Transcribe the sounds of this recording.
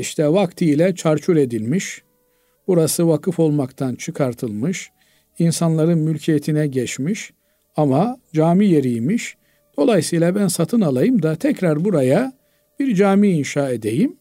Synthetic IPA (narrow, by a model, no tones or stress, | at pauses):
iʃt̪ʰɛvakt̪ʰijlʲɛt͡ʃʰaɾt͡ʃʰuɾe̞d̪ilʲmiʃ | buɾasɯvakʰɯfo̞lˠmakt̪ʰant͡ʃʰɯkʰaɾt̪ʰɯlˠmɯʃ | insanlˠaɾɯnmylʲcʰijet̪ʰinɛɟɛt͡ʃmiʃ | amad͡ʒaːmije̞ɾijmiʃ | d̪̥o̞lˠajsɯjlˠabænsat̪ʰɯnalˠajɯmd̪at̪ʰɛcɾaɾbuɾaja | b̥iɾd͡ʒaːmiːnʃaːe̞d̪e̞jim